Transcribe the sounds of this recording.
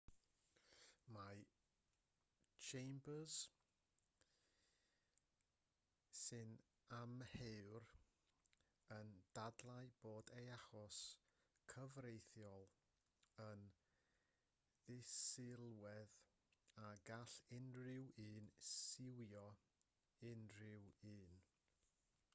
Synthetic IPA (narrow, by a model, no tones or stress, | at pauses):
ma | t͡ʃʰejmbəz̥ | sɨn | amhɛwr | ənd̥adlˠaɨb̥oːdeaχɔs | kʰəvrejθjɔlˠ | ən | ðɪsɪlˠwɛð | aɡaɬɪnrɪwiːnsɪwjɔ | ɪnrɪwiːn